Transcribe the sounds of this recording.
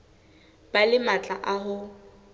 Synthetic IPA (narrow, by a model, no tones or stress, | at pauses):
b̥alɪmat͡ɬʼaʔaɦʊ